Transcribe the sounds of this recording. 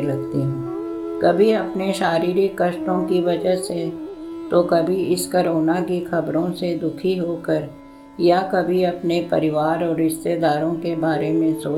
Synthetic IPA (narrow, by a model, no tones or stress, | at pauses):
lɐɡt̪iɦɛ̃ː | kɐbʱiɐpneʃaːɾiːɾikɐʃʈõkiʋɐd͡ʒəɦset̪okɐbʱiɪskɐɾoːnakixɐbɾõsed̪ʊkʰiɦoːkəɾ | jakɐbʱiɐpnepɐɾɪʋaːɾɔːɾːɪst̪ed̪aːɾõkebaːɾemẽsoː